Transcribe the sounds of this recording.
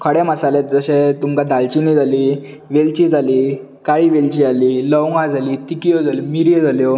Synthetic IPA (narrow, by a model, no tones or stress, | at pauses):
kʰəɽɛməsalet̪̚d͡zəɕẽt̪umkad̪ʱalt͡ɕinid͡zʱaliː | ʋelt͡ɕiːd͡zʱaliː | kaiːʋelt͡ɕialiːləwŋɡãd͡zʱaliːt̪ikijod͡zalimiɾjed͡zʱaljo